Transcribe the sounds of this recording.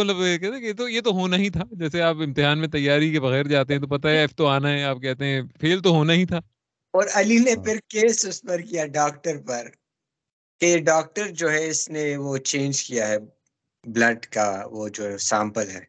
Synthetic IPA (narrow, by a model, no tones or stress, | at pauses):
mɐt̪ləbkɛɦt̪ẽkeet̪ojet̪oɦoːnaɦĩt̪ʰaːd͡ʒɛːseaːpɪ̃mt̪ɪɦaːnmẽt̪ɐjːaːɾikebɐɣɛːɾd͡ʒaːt̪̬eɦɛ̃t̪opɐt̪aɦɛɛːft̪oaːnaɦɛaːp̚kɛɦt̪eɦɛ̃fʰeːlt̪oɦoːnaɦit̪ʰaː | ɔːɾɐlinepɪɾkeːsʊspɐɾkijaɖaːk̚ʈəɾpɐɾ | keɖaːk̚ʈəɾd͡ʒoːɦɛɪsneʋot͡ʃẽːnd͡ʒkijaɦɛ | blɐɖka̰ʋod͡ʒoːɦɛsãːmpəlɦɛ̰ː